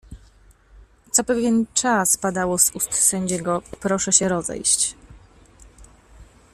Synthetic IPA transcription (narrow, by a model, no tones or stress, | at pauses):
t̪sɔpɛvʲjɛnt͡ʂaspad̪awɔzust̪sɛɲd͡ʑɛɡɔpɾɔʂɛɕɛɾɔzɛ̰jɕt͡ɕ